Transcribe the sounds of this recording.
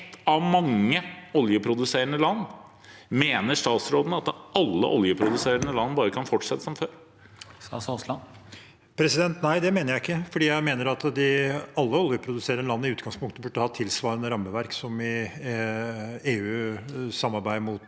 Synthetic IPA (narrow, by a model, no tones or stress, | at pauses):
t̪ːɑʋmɑŋːəɔljəpʰɾʊd̪ʉseːɾəɳəlɑnː | meːnəʂt̪ɑːt̪sɾoːd̪ən̩ɑt̪ʔɑlːə̰ʔɔljəpʰɾʊd̪ʉseːɾəɳəlɑnːbɑːɾəkʰɑnfɔʈːʂɛt̪ːəsɔmføːɾ | sslɑ | pʰɾɛsɪd̪ɛnt̪næɪd̪ɛmeːnəɾjæɪɪkːəfɔɖiːjæɪmeːnəɾɑt̪d̪ɪɑlːəɔljəpʰɾʊd̪ʉseːɾənəlɑnːɪʉːt̪̚ɡɑŋspʊŋkt̪əbʉɖːəhɑt̪ʰɪlsʋɑːɾənəɾɑmːəʋæɾksɔmɪ | eːʉːsɑmːɑɾbæɪmʊt̪